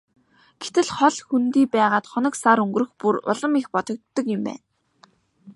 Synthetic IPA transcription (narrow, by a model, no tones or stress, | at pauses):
ɡ̥et̪ɘ̆ɮχɔɮxunt̪iːpæːʁaːt̪χɔnə̆ksaɾɵŋɡrɵ̆xpurʊ̰ɮə̆mixpɔt̪ɞ̆k̚t̪ːɞ̆kʊ̆mpæ̰ːn